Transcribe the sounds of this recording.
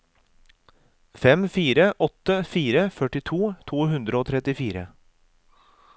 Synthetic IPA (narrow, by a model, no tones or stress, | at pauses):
fɛmfiːɾəʔɔt̪əfiːɾəfœʈɪt̪ʰuːt̪ʰuːhʉnd̪ɾəoːt̪ʰɾɛt̪ɪfiːɾə̰